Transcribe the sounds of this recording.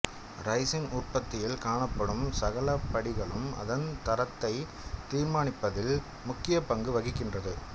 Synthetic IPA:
ɾɐɪsɪnʊrpɐt̪ːɪjɪlkaːɳɐpːɐɽɯmsɐɣɐlɐpːɐɽɪɣɐɭɯmɐ̰ðɐnt̪ɐɾɐt̪ːɐɪ | t̪iːɾmaːnɪpːɐðɪl | mʊkːɪjɐpɐŋɡɯʋɐɣɪkːɪndrɐðɯ

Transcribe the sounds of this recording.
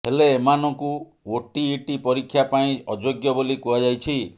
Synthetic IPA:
heleːmanɔŋku | oʈiːʈipɔɾikʰːjapaĩɔd͡ʒoɡjɔbolikuad͡ʒajt͡ʃʰi

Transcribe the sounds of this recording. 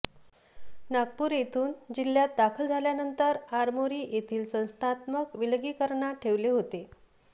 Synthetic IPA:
naɡ̚puːɾjet̪ʰuːnd͡ʑiljat̪̚d̪akʰəld͡zʱaljanənt̪əɾaɾmoɾiːjet̪ʰiːlsə̃w̃st̪ʰat̪məkʋilɡiːkəɾɳaʈʰeʋleɦot̪e

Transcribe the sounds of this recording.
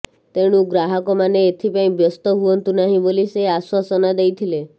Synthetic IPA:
t̪eɽ̃ũɡɾaɦɔkɔmaneːt̪ʰipaĩbjəst̪ɔɦuɔnt̪unaɦĩboliseaswasɔnad̪ejt̪ʰile

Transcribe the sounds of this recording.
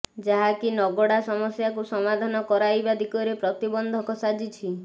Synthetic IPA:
d͡ʒaɦakinɔɡɔɽasɔmɔsjakusɔmad̪ʱanɔkɔɾajbad̪ikɔɾepɾɔt̪ibɔnd̪ʱɔkɔsad͡ʒit͡ʃʰi

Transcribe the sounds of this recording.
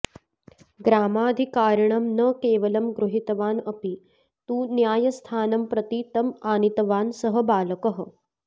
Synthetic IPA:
ɡɾaːmaːd̪ʱikaːɾɳɐmnɐkeːʋɐlɐmɡɾuɦit̪ɐʋaːnɐpi | t̪ũːnjaːjɐst̪ʰaːnɐmpɾɐt̪it̪ɐmaːnit̪ɐʋaːnsɐɦɐbaːlɐkɐɦə̆

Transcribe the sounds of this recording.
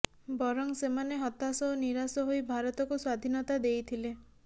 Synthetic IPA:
bɔɾɔŋsemaneɦɔt̪asɔniɾasɔɦojbʱaɾɔt̪ɔkuswad̪ʱinɔt̪ad̪ejt̪ʰile

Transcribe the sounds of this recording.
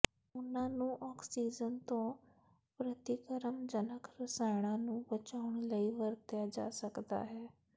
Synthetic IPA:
ʊnãːnũːʔɔːksiːd͡ʒənt̪õː | pɾət̪ikəɾəmd͡ʒənəkɾəsaːɪɽ̃ãːnũːbət͡ʃaːʊɳləiːʋəɾt̪jaːd͡ʒa̰ːsəkd̪a̰ːɦɛː

